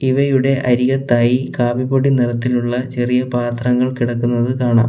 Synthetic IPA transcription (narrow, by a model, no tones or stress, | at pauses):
iʋɐjuɽe̞ʔɐɾiɣɐt̪ːaːjikaːbiboɽiniɾɐt̪ːiluɭːɐt͡ɕe̞rijɐpaːt̪rɐŋːɐɭkiɽɐkːunːɐðɨkaːɳa̰ːm